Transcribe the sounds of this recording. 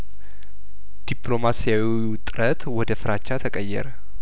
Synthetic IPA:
d̪̥iplo̞masijawi | ʊt̪ʼɨɾət̪wɔd̪əfɨɾat͡ʃːat̪ʰəkʼəjːɛ̰ɾə

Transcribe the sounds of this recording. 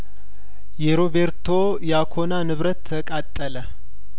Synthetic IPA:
jeɾoβeɾt̪ʰo | jakʰo̞nanɨβɾət̪ʰːəkʼat̪ʼːələ

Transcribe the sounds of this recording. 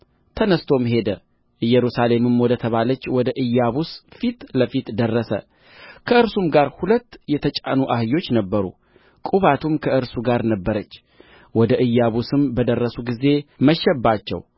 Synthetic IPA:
t̪ʰənəst̪ʰo̞mhe̞d̪ə | ɨjːɛɾusale̞mɨmwɔd̪ət̪ʰəβalət͡ʃːwɔd̪əʔɨjːaβusfit̪ləfit̪d̪ərːəsə̰ | kʰəɨɾsumɡaɾhulət̪ːjɛt̪ʰət͡ʃʼa̰nuʔahɨjo̞t͡ʃːnəbːəɾṵ | kʼuβat̪ʰumkʰəʔɨɾsuɡaɾnəbːəɾət͡ʃː | wɔd̪əʔɨjːaβusɨmbəd̪ərːəsuɡize̞məʃɛbːat͡ʃːɛ̰w

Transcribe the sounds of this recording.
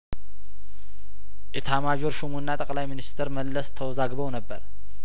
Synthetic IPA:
jɛt̪ʰamad͡ʒoɾʃumunːat̪ʼəkʼlajminist̪ʰɨɾməlːəst̪ʰəwɔzaɡbəwnəbːəɾ

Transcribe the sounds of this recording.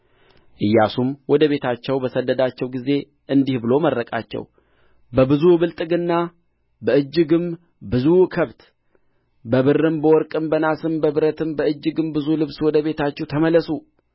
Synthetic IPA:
ʔɨjːasumwɔd̪əβe̞t̪ʰat͡ʃːɛwbəsəd̪ːəd̪at͡ʃːɛwɡize̞ | ʔɨnd̪ihbɨlo̞məɾːəkʼa̰t͡ʃːɛ̰w | bəbɨzuβɨlt̪ʼɨɡɨnːa | bəɨd͡ʒːɨɡɨm | bɨzukʰəβt̪ | bəβɨrːɨmbəwɔɾkʼɨmbənasɨmbəβɨɾət̪ʰɨmbəɨd͡ʒːɨɡɨmbɨzulɨβswɔd̪əβe̞t̪ʰat͡ʃːɛwt̪ʰəməlːəsu

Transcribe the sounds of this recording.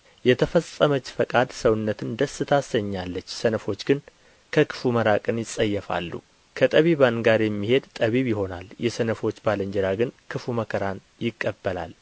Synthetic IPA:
jɛt̪ʰəfəsʼːəmət͡ʃːfəkʼad̪səwnːət̪ʰɨnd̪əsɨt̪ʰasəɲːalːət͡ʃːsənəfo̞t͡ʃːɡɨn | kʰəkʰɨ̥fuməɾakʼɨnjɪsʼəjːɛfa̰lːṵ | kʰət̪ʼəβiβanɡaɾjɛmːihe̞d̪t̪ʼəβiβjɪho̞naljɛsənəfo̞t͡ʃːbaləɲd͡ʒɛɾaɡɨnkʰɨfuməkʰəɾan | jɪkʼːəbːəla̰l

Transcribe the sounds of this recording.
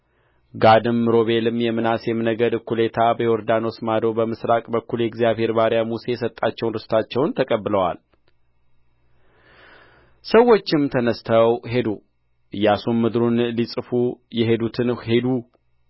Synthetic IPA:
ɡad̪ɨmːɾo̞βe̞lɨmjɛmɨnasjɛmɨnəɡəd̪ɨkulet̪ʰabəjɛoɾd̪ano̞smad̪o̞bəmɨsɾakʼbəkːuljɛɡzijaβhe̞ɾbaɾjamuse̞jɛsət̪ʼːat͡ʃːɛwnɾɨst̪ʰat͡ʃːɛwnt̪ʰəkʼəbːɨləwa̰l | səwːo̞t͡ʃːɪmt̪ʰənəst̪ʰəwɦe̞d̪o | ʔɨjːasumːɨd̪ɾunlisʼɨfujɛɦe̞d̪ut̪ʰɨnhe̞d̪u

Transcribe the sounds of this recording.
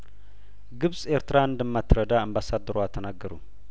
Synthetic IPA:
ɡɨβsʼeɾt̪ɾaɨnd̪əmːat̪ɾəd̪aɨmbasad̪ːəɾoat̪ʰːənaɡːəɾṵ

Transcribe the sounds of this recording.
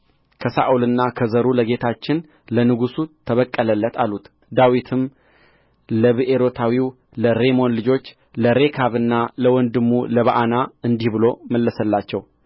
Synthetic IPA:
kʰəsa̰ʔulɨnːakʰəzəɾuləɡe̞t̪ʰat͡ʃːɪn | lənɨɡusut̪ʰəβəkʼːələlːət̪ʰalut̪ | d̪awit̪ʰɨm | ləβɨʔe̞ɾo̞t̪ʰawiw | ləɾe̞mo̞nlɨd͡ʒo̞t͡ʃː | ləɾe̞kʰaβɨnːaləwɔnd̪ɨmːuləβaʔanaɨnd̪ihbɨlo̞məlːəsəlːat͡ʃːɛw

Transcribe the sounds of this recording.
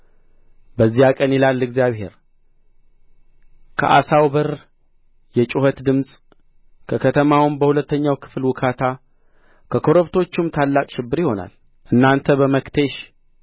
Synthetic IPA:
bəzːijakʼənjilalːɨɡzijaβhe̞̰ɾ | kʰə̰ʔa̰sawbəɾ | jɛt͡ʃʼuhət̪d̪ɨmsʼ | kʰəkʰət̪ʰəmawnbəhulət̪ːəɲːawkʰɨ̥flwʊkʰat̪ʰa | kʰəkʰo̞ɾəβt̪ʰo̞t͡ʃːumt̪ʰalːakʼʃɪbːɨɾjiho̞na̰l | ʔɨnːant̪ʰəbəməkt̪ʰeʃ

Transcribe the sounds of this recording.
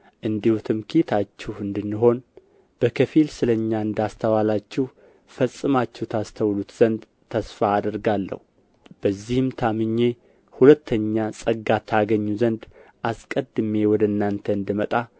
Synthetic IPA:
ʔɨnd̪ihut̪ʰɨmkʰit̪ʰat͡ʃːɛhɨnd̪ɨnːɨɦo̞n | b̥əkʰəfilsɨləɲːaɨnd̪ast̪ʰəwalat͡ʃːɪh | fəsʼːɨmat͡ʃːɛhut̪ʰast̪ʰəwlut̪z̥ənd̪ | t̪ʰəsfaːd̪əɾɡalːə̰hu | b̥əzːihɨmt̪ʰamɨɲːe̞ | hulət̪ʰːəɲːasʼəɡat̪ʰaɡəɲːuzənd̪ʔaskʼəd̪ɨme̞wɔd̪əɨnːant̪ʰəɨnd̪ɨmət̪ʼa

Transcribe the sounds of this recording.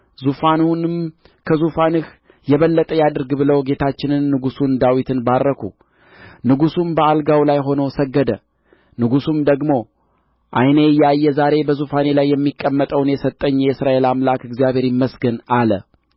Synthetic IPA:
zufanunm | kʰəzufanɨh | jɛβəlːət̪ʼəjad̪ɨɾɡbɨləwɡe̞t̪ʰat͡ʃːɪnɨnːɨɡusund̪awit̪ʰɨnbarːəkʰu | nɨɡusumbəalɡawlajɦo̞nosəɡːəd̪ə | nɨɡusumd̪əɡmo̞ | ʔajnejːɛajːɛzaɾe̞bəzufane̞lajːɛmːikʼːəmːət̪ʼəwnjɛsət̪ʼːəɲːjɛɨsɾaʔe̞lamlakɨɡzjaβe̞ɾiməsɡənalə̰

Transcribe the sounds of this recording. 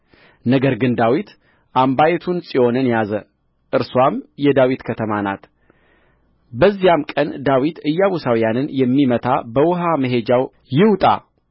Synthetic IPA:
nəɡəɾɡɨnd̪awit̪ | ʔambajɛt̪ʰunsʼio̞nɨnjazə | ʔɨɾswamjɛd̪awit̪kʰət̪ʰəmana̰t̪ | bəzːijamkʼənd̪awit̪ɨjːaβusawijanɨnjɛmːimət̪ʰabəwʊɦaməɦe̞d͡ʒaw | jɪwt̪ʼa̰

